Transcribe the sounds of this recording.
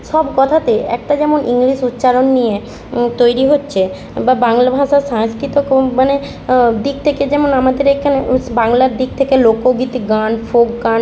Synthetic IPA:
ʃɔbkɔt̪ʰat̪eʔɛ̰k̚ʈad͡ʑɛmonʔiŋliʃut̪ːɕaɾonːije | t̪ojɾiɦotːɕʰe | babaŋlabʱaʃaʃaŋskɾit̪okmane | d̪ik̚t̪ʰeked͡ʑɛmonamad̪eɾekʰanebaŋlaɾd̪ik̚t̪ʰekelokoɡit̪iɡanfokɡan

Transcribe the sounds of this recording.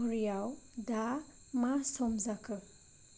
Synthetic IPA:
ɔɾijawda | masɔmzakʰɯ

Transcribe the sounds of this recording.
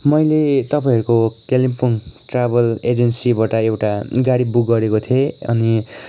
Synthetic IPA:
mʌjlet̪ʌpaĩɦʌɾukokelimpuŋʈrabʌled͡zensibaʈʌewʈaɡaɽibukɡʌɾekot̪ʰieʌ̰ni

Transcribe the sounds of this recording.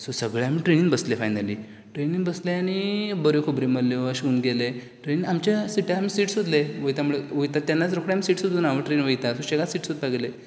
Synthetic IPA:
sosəɡɭeamiːʈɾeniŋɡbəslefajnaliː | ʈɾeniŋɡbəsleañibəɾekʰubɾiməlːeʋəɕiuːnɡele | ʈɾeniŋɡamt͡ɕasiʈjamisiːʈsud̪leʋəjt̪amuɭeʋəjt̪at̪anːat͡sɾokɽeamiːsiːʈsud̪uːnaʋəʈɾeiŋʋəjt̪asoɕeɡasiːʈsud̪̚taɡle

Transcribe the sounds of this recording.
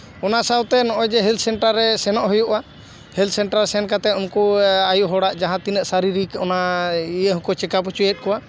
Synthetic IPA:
ɔnasawt̪ɛnɔʔɔjd͡ʒɛɦɛlsɛɳʈaɾːɛsɛnɔʔɦujuʔa | hɛlsɛɳʈɾalsɛnkat̪ɛumkuajuɦɔɽaʔd͡ʒaɦãt̪inəʔsaɾiɾikɔnaijəɦũkɔt͡ʃɛkap̬ut͡ʃujɛt̪̚kɔa

